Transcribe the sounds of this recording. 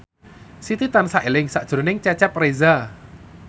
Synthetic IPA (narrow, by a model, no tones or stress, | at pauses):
sit̪it̪ansaʔelɪŋsaʔd̥ʒ̥ɾonɪŋt͡ʃɛt͡ʃɛp̚reza